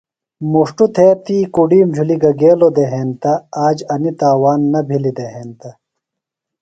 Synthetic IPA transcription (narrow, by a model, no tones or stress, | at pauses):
muʂʈut̪ʰeːt̪iːkuɖiːmd͡ʑʱuliɡɐɡeːlod̪eɦeːnt̪ɐaːd͡ʑɐnit̪aːwaːnːɐbʱilid̪eɦeːnt̪ɐ